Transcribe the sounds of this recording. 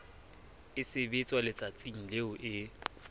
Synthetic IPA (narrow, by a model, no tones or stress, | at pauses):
ɪsɪbɪt͡sʼwalɪt͡sʼat͡sʼiŋ̩leʊʔɪ